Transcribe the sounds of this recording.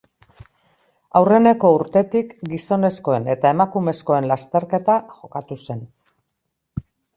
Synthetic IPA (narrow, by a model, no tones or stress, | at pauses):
awre̞ne̞ko̞uɾt̪e̞t̪ikɡiso̞ne̞sko̞e̞ne̞t̪ae̞makume̞sko̞e̞nlast̪e̞ɾke̞t̪aʝo̞kat̪use̞n